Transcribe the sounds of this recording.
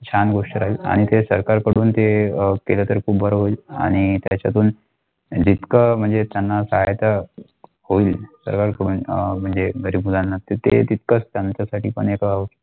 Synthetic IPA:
t͡ɕʰanɡoʂʈəɾaɦia̰ɽ̃it̪esəɾkaɾkəɽuːnt̪ekelət̪əɾkʰuːbbʱəɾəɦoiːla̰ɽ̃it̪jat͡ɕa̰t̪uːn | d͡ʑit̪kəm̤əɳd͡zet̪janːasəɦajt̪a | hoiːlsə̰ɾkaɾkəɽuːnm̤əɳd͡zeɡʱəɾibud̪anːat̪et̪ḛt̪it̪̚kət͡st̪jaɲt͡ɕasaʈʰiːpə̰ɳekəaʋ

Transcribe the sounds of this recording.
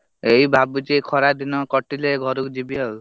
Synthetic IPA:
ejbʱabud͡ʒekʰɔɾad̪inɔkɔʈileɡʱɔɾukd͡ʒibiɦɔw

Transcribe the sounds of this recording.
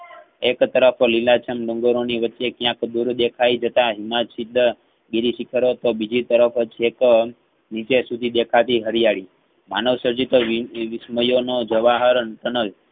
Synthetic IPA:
ekt̪əɾəflilat͡ʃʰəmloŋɡəɾoniʋətːʃekjãkd̪uɾd̪ekʰajd͡ʒət̪aɦimasid̪ʱːə | ɡiɾisikʰəɾot̪obid͡ʒit̪əɾəfət͡ʃʰek | nit͡ʃesud̪ʱid̪ekʰat̪iɦəɾijaɭi | manəʋsəɾd͡ʒit̪oʋɪsməjonod͡ʒəʋaɦəɾənt̪ənəl

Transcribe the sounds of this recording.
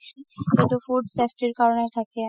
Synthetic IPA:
kĩnt̪ufuɖsefʈiɾkaɾonet̪ʰake

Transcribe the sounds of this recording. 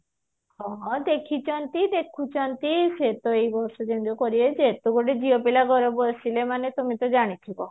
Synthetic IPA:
hɔ̃d̪ekʰit͡ʃɔnt̪id̪ekʰut͡ʃɔnt̪iset̪ɔejbɔɾsɔd͡ʒend̪ukɔɾied͡ʒet̪uɡoʈed͡ʒiɔpilaɡʱɔɾɔbosilemanet̪umit̪ɔd͡ʒaɽ̃it̪ʰibɔ

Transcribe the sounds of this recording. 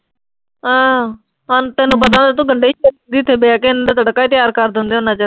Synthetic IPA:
ɦãː | ɦənt̪ẽːnũːpət̪̬ãːd̪aːt̪̬ũːɡəɳɖeːiːt͡ʃʰend̪iːt̪ʰːeːbeakeɪnːd̪aːt̪əɽkːaːt̪ɪjaːɾkəɾd̪ɪ̃nd̪eonãːt͡ʃaː

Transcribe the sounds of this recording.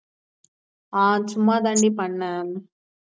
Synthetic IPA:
aːt͡ʃumːaːd̪ɐɳɖipɐɳːaːn

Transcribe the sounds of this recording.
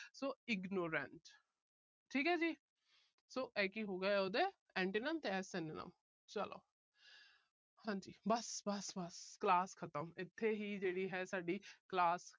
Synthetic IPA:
soːɪɡnoːɾə̰ɳʈ | ʈʰiːkɦɛːd͡ʒiː | soːʔɛːkiːɦoːɡɛɛoːd̪eː | ɛ̃ːɳʈiːnəmt̪eːɛːsɛ̃nenə̰m | t͡ʃəlo̰ː | hãːɲd͡ʒiːbəsbəsbəsklaːskʰət̪əmɪt̪ʰːeːɦiːd͡ʒeːɽiːɦɛːsaːɖiːklaːs

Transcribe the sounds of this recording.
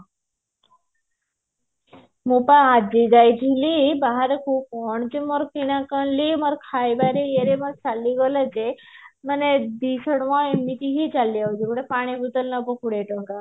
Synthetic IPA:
mupaːd͡ʒiɡajd̪ʱilibaɦaɾekʰukɔɳd͡ʒemoɾkiɽ̃akɔɳlimoɾkʰajbaɾeeɾemɔɾt͡ʃalːiɡɔlad͡ʒe | maned̪isɔɽʋɔemit̪iɦit͡ʃalːiawd͡ʒikuɽepaɽ̃ibʱut̪ɔlnɔbɔkuɽeʈɔŋka

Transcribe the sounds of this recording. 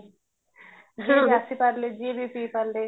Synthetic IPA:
ɡasipaɾled͡ʒibiːpipəɾle

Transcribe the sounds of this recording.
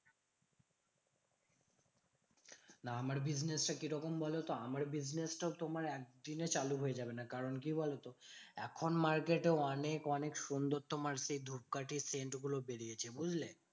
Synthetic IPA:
naamaɾbid͡ʑnesʈakiɾɔkombɔlet̪oamaɾbid͡ʑnesʈaot̪omaɾɛk̚d̪inet͡ɕaluɦoed͡ʑabenakaɾonkibɔlet̪oɛ̰kʰonmaɾkeʈeoɔnekɔnekʃund̪oɾt̪omaɾʃejd̪ʱup̚kaʈiseɳʈɡulobeɾijet͡ɕʰebud͡ʑʱle

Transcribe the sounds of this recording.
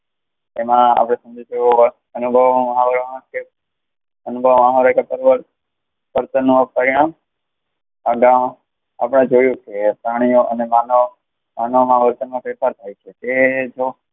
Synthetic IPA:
emãa̰pɽ̃esə̃md͡ʒit͡ʃooʋə | ənubʱəʋmɦãʋəɾoãke | ənubʱəʋmaɦʋəɾakepəɾʋəɾ | ʋəɾt̪ənũpəɾiɽ̃ãm | aɡãm | a̰pɽ̃ẽd͡ʒojũkepɾaɽ̃ijoʔənemãno | mãnomãʋəɾt̪ənmãfɛpʰaɾt̪ʰajt͡ʃʰeked͡ʒo

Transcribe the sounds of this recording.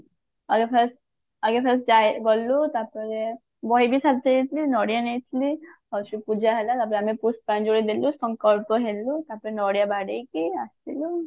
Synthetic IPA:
aɡepʰɛs | aɡepʰɛs̬d͡ʒajɡɔlːut̪apɔɾe | bɔɦjbisalt̪ʰeet̪ʰilinɔɽijanejt̪ʰili | ɔʃupud͡ʒaɦɛlat̪aɾp̬ɔɾeamipuspand͡ʒoɽid̪elusɔŋkɔlpoɦelut̪aɾpɔɾenɔɽijabaɖejkeast̪ʰilo

